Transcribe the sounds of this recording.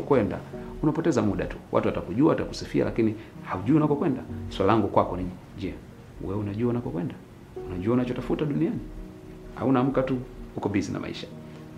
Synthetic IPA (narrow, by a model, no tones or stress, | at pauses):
kwɛnda̰ | unapɔtɛzamuɗa̰tuwa̰tuwatakuʄuaataku̥sifia̰la̰kinihauʄuiunakɔkwɛndaswalalaŋɡukwakɔniɲi | d͡ʒɛ | wɛunaʄuaunakɔkwɛnda | unaʄuaunat͡ʃɔtafutaɗuniani | ha̰unaːm̩katuukɔbizina̰mʔa̰ḭʃḁ